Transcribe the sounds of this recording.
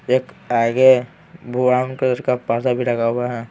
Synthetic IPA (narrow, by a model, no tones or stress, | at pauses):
eːk | aɡe | bʱuaːnkəd̪əɾkapaɾd̪abʱiɾɐɡaɦʊaɦɛ